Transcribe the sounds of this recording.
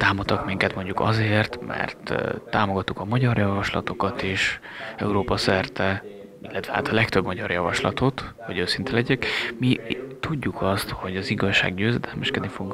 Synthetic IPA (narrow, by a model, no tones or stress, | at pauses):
t̪aːmot̪ːɒkmiŋkɛt̪mo̞ɲɟukɒ̰zeːrt̪mɛ̰rt̪ːaːmoɡɒt̪ːukɒmɒɟɒrjɒvɒʃlɒ̰t̪o̞kɒt̪eːʃ | ɛuɾoːpɒsɛrt̪ɛ | ilːɛt̪v̥ʋɛa̰ːt̪ɒlɛkt̪ø̞bmɒɟɒrjɒvɒʃlɒ̰t̪ʰo̞t̪hoɟøːsint̪ɛlɛɟɛkmit̪uɟːukʰɒst̪ho̞ɟɒziɡɒʃːa̰ːɡɟøːzɛd̪ɛlmɛʃkɛd̪nifoɡuŋ